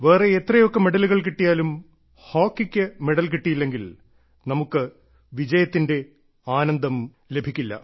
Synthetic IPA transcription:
ʋe̞ːreet̪rɐjo̞kːɐmeɽɐluɣɐɭkiʈːijaːlum | ho̞ːkːikʲːɨmeɽɐlkiʈːijilːe̞ŋɡil | nɐmukːɨ | ʋid͡ʑɐjɐt̪ːinde | aːnɐnd̪ɐm | le̞bʱikʲːilːɐ̰

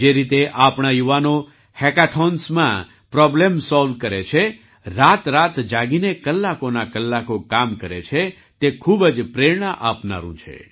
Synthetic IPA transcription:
d͡ʒeɾit̪eʔapɳ̃ajuʋano | hɛkaʈʰɔnsmã̰ | pɾɔblemsɔlʋ̚kəɾet͡ʃʰe | ɾat̪ɾat̪d͡ʒaɡinekəlːakonakəlːakokamkəɾet͡ʃʰe | t̪ekʰubəd͡ʒpɾeɾɳ̃əʔapna̰ɾṵ̃t͡ʃʰḛ

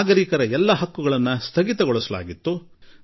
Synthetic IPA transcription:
ɡɐɾikɐɾɐɛlːɐɦɐkːuɡɐɭɐnːɐst̪ʰɐɡit̪ɐɡɔɭusɐla̰ːɡit̪ːu

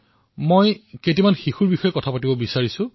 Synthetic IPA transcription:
mojket̬imanxixuɹbixɔjɛkɔtʰapatibɔbisaɹisʊ̃

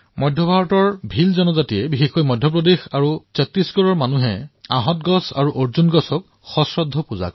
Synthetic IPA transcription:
mɔjdʱjɔbʱaɹɔtɔɹbʱilzɔnɔzatiɛbixexojmɔjdʱjɔp̬ɹɔdexaɹusɛtɹisɡɔɹɔɹmanuɦɛa̰ɦɔtɡɔsa̰ɹuʔoɹzunɡɔsɔk̚ | xɔsɹɔd̪ʱːɔpuza̰kɔ

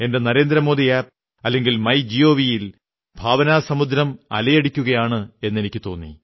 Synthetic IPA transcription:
e̞nde̞nɐɾe̞ːnd̪ɾɐmo̞ːd̪iaːp̚ | ɐlːe̞ŋɡilmɐjd͡ʑijo̞ːʋijil | bʱaːʋɐnaːsɐmud̪ɾɐmɐ̰lɐjɐɽikʲːuɣɐjaːɳɨe̞nːe̞nikʲːɨt̪o̞ːnːḭ

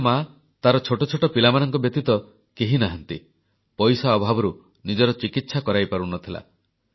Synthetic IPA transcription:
ma | t̪aɾɔt͡ʃʰoʈɔt͡ʃʰoʈɔpilamanɔŋkɔbjɔk̚t̪it̪ɔ | keɦinaɦɔnt̪i | pɔjsaːbʱabɔɾu | nid͡ʒɔɾɔt͡ʃikit̪sakɔɾajpaɾunɔt̪ʰila̰

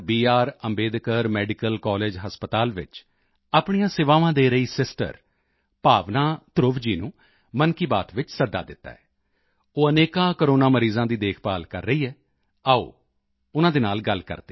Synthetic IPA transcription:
biːaːɾəmbeːd̪kəɾmɛːɖɪkəlkɔːleːd͡ʒɦəspət̪aːlʋɪ̰t͡ʃ | aːpɳ̃ijãːsɪʋaːʋãːd̪eːɾəiːsɪsʈə̰ɾ | paːʋnaːt̪ɾʊʋd͡ʒiːnũː | mənkiːbaːt̪ʋɪt͡ʃsəd̪a̰ːd̪ɪt̪ːa̰ːɛː | oːəneːkãːkəɾoːnaːməɾiːzãːd̪iːd̪eːkʰpa̰ːlkə̰ɾːəiːɛː | ao̰ː | ʊnãːd̪eːnaːlɡəlkə̰ɾd̪e

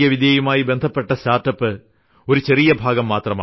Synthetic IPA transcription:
jɐʋid̪ijɐjumaːjibend̪ʱɐpːeʈːɐɕaːʈːɐpːɨ | oɾut͡ɕerɪjɐbʱaːɡɐmːaːt̪rɐmaː

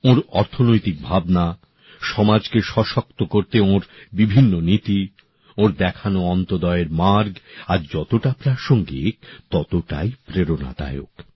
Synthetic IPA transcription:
oɾɔɾt̪ʰonojt̪ik̚bʱabna | ʃɔmad͡ʑkeʃɔʃok̚t̪okoɾt̪eoɾbibʱinːonit̪i | oɾd̪ɛkʰanoɔnt̪od̪ɔeeɾmaɾɡaɾd͡ʑɔt̪oʈapɾaʃoŋɡḭk̚t̪ɔt̪oʈa̰jpɾeɾona̰d̪a̰eo̰k

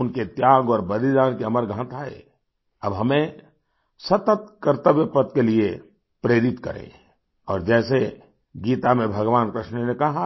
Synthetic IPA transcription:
ʊnket̪jaːɡɔːɾbəd̪id̪aːnkeəməɾɡʱãːt̪aːḛ | ɐbɦɐmẽ | sɐt̪ət̪̚kəɾt̪əbjəpət̪kelie | pɾeːɾɪt̪kɐ̰ɾḛ̃ | ɔːɾd͡ʒɛːse | ɡiːt̪amẽbʱɐɡʋaːnkɾɪʃnənekɐɦa

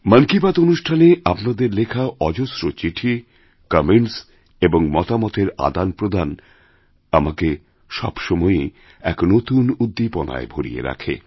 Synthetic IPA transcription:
mənkibat̪onuʃʈʰaneapnad̪eɾlekʰaɔd͡ʑosɾot͡ɕiʈʰi | kameɳʈs | eboŋmɔt̪amɔt̪eɾa̰d̪anpɾod̪ʱan | amake | ʃɔ̰bʃɔmɔe | ɛknot̪unud̪ːipɔna̰ebʱoɽḭḛɾa̰kʰḛ

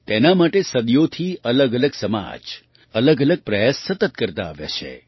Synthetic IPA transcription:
t̪enamaʈesəd̪jot̪ʰiələɡələɡsəma̰d͡ʒ | ələɡələɡ̚pɾəjasːət̪ət̪̚kəɾt̪a̰ːʋja̰t͡ʃʰḛ

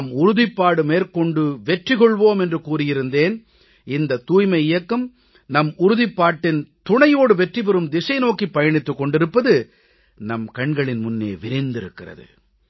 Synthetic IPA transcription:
mʊɾʊðɪpːaːɽɯmeːɾkɔɳɖɯʋɛʈrikɔɭʋoːmɛndrɯkuːrɪjɪɾɯnd̪eːn | ɪnd̪ɐt̪uːjmɐɪɪjɐkːɯm | nɐmʊɾʊðɪpːaːʈːɪnt̪ʊɳɐjoːɽɯʋɛʈripɛɾɯmd̪ɪsɐɪnoːkipːɐjɐɳɪt̪ːɯkːɔɳɖɪɾɯpːɐðɯ | nɐmkɐɳɡɐɭɪnmʊnːḛːʋɪɾɪnd̪ɪɾɯ̰kːɪrɐ̰ðɯ̰

